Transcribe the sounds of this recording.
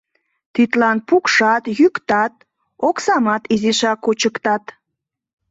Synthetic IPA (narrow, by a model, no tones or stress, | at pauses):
t̪it̪lɑnpukʃɑt̪jykt̪ɑt̪̚ | oksɑmɑt̪izeʃɑkut͡ɕəkt̪ɑt̪